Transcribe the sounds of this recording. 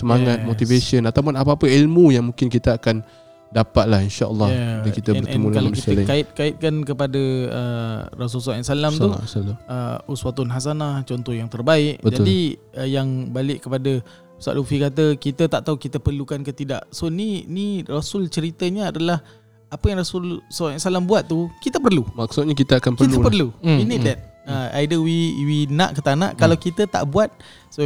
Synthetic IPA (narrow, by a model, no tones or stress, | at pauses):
səmaŋat̪̚mot̪ivesənat̪awpʊnapapəilmujaŋmũŋkɪnkit̪əakan | dapat̪̚lahinʃaʔə̰lːɑaakit̪əɛnəʔɛ̰əmukalakit̪əakaɪt̪̚kaɪt̪̚kankəpadəə̰ras̬uls̬asalamt̪usaləuswat̪ɔnɦas̬anaht͡ʃɔnt̪ɔhjaŋt̪ərbaɪʔ̚bətd͡ʒadiəjaŋbalɪʔkəpadə | usa̰ʔlufikat̪̬əkit̪ət̪aʔt̪aukit̪əpərlukankət̪ida̰ʔsoninirasʊlt͡ʃəɾit̪əɲəadalah | apəjaŋrasʊlsawʔʔsalambuat̪̚ːukit̪əpərlumak̚sʊt̪̚ɲak̬it̪əakanpkəitəpərluinit̪lɛt̪̚əa̰jdəwiwinã̰ʔkət̪anã̰ʔkalawkit̪ət̪a̰ʔbuat̪̚ | so